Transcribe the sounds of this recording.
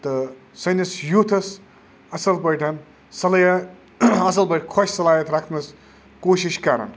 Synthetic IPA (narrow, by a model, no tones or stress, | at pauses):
t̪ɐ | sɐnɐsjut̪ʰɐs | ɐsɐlbɐjʈʰɐn | sɐlɐjɐ | ɐs̬ɐlbɐʈʰkʰoʃsɐlaːjɐt̪ɾakʰnɐs | koːʃiʃkaɾɐ̰n